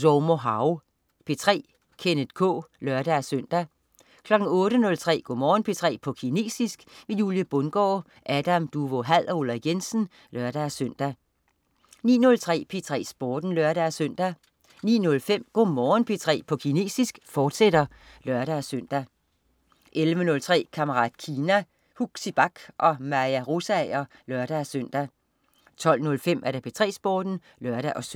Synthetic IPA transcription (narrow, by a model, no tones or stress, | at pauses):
soʊmoɦɑ̈ʊ | pʰe̝t͡sʰʁɛ̰ː | kʰenəd̥kʰɔ̰̽ːlœɐɾ̥æsøn̰d̥æ | kʰlɒ̽ɡ̥n̩ɔ̽ːɾənɔ̽lt͡sʰʁɛ̰ːɡ̥ɔ̰mɒːnpʰe̝t͡sʰʁɛ̰ːpʰɒ̽kʰine̝̰ːsisɡ̥ʋe̝juljəb̥ɔnɡ̥ɒ̰ː | ʔæd̥æmd̥uʋo̝ɦæð̰ˠɒolæɡ̥ensn̩ | lɶɐɾ̥æsøn̰d̥æ | nḭːnɔ̽lt͡sʰʁɛ̰ːpʰe̝t͡sʰʁɛ̰ːsb̥ɔːd̥n̩lɶɐɾææsøn̰d̥æ | nḭːnɔ̽lfem̰ɡ̥o̝mɒːn̩pʰe̝t͡sʰʁɛ̰ːpʰɒ̽kʰine̝̰ːsisɡ̥fɒːd̥sed̥ɐ | lɶɐɾ̥ææsøn̰d̥æ | ʔelʋənɔ̽lt͡sʰʁɛ̰ːkʰæməʁɑ̰̈ːd̥kʰiːnæ | huɡ̥sib̥ɑ̈ɡ̥ʔɒ̽mæjæʁosæɛɪɐ | lɶɐ̰ɾ̥ææsøn̰d̥æ | t͡sʰɒ̽l̰nɔ̽lfem̰ʔæɐɾ̥æpʰe̝t͡sʰʁɛ̰ːsb̥oːd̥n̩ | lɶɐɾ̥æʔɒ̽s